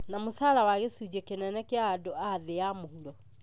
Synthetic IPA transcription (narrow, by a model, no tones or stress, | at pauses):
namosaːɾawaɣesud͡ʒɛkenɛnɛkeadoaðeamohuɾɔ